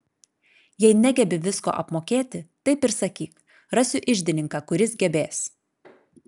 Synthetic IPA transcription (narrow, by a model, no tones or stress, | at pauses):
jɛɪnʲæɡʲɛbʲɪʋʲɪsko̰ːʔɐpmoːkʲeːt̪ʲɪt̪ɐɪpɪɾsɐkʲiːk | ɾɐsʲʊʔɪʒʲd̪ʲɪnʲɪŋkɑkʊɾʲɪsɡʲɛbʲeːs